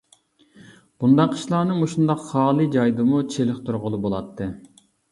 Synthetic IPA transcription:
b̥und̪ɑqʰi̥ʃlˠɑːnɨmoʃund̪ɑqχɑːlˠɨd͡ʒɑjd̪ɨmut͡ʃʰelɪχt̪ʰuɾʁʊlˠubolˠɑt̪ʰːɨ

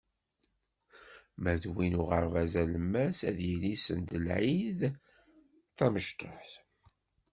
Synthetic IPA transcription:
mæðwinʊʁəɾˤvæzæləmːæsæðjilisənd̪əlʕið | θæməʃt̪oħθ

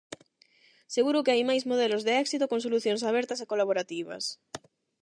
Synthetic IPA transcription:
seɣuɾukeajmajzmoð̞elozðeɛksit̪okõŋs̬oluθjoŋs̬aβ̞eɾt̪asekolaβoɾat̪iβ̞a̰s

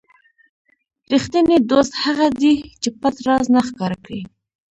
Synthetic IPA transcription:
ɾixt̪əned̪ost̪haɣad̪it͡ʃepat̪ɾɑznaxkɑɾakɽi

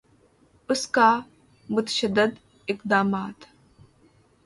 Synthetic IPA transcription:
ʊskaː | mʊt̪ə̥ʃəd̪ːəd̪ | ɪqd̪aːmaːt̪

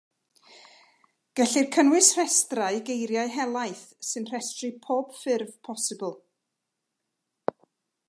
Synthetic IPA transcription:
ɡ̥ɛɬirkʰənwɪsr̥ɛstrajɡejɾjaɨɦɛlˠajθsɨnr̥ɛstrɨpʰoːb̥fɪrvpʰɔsɨbəlˠ

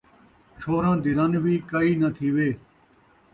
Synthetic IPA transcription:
ʂʰoːɾãːd̪ɪɾɐnʋiːkɐiːnɐt̪ʰiːʋeː

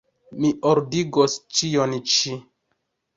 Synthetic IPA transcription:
miʔoɾdiɡost͡ʃijont͡ʃi

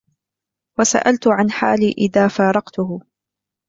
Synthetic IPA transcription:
wasa̰ʔalt̪ʊʕanħaːliːʔɪðaːfaːɾˤɑqt̪ʊhʊ

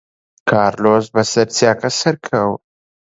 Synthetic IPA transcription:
kʰaːɾloːzbɐsɐɾt͡sjaːkɐsɐɾkʰɐw

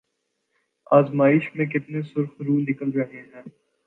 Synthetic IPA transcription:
aːzmaːɪʃmẽkɪt̪nesʊɾxɾuːnɪkəlɾɐɦeɦɛ̃ː

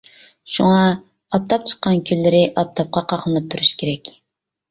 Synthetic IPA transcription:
ʃuŋɑ | ɑp̚t̪ʰɑp̚t͡ʃʰə̥qːɑnkʲʰylːɪɾɪʔɑp̚t̪ʰɑp̚qʰɑqʰɑχlˠɨnɨp̚t̪ʰuɾuʃkʲʰeɾɛkʲ

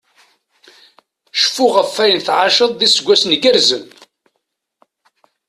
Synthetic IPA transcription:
ʃfʊʁəfːæjənθʕaʃəðˤðisəɡʷːæsnɡəɾzən

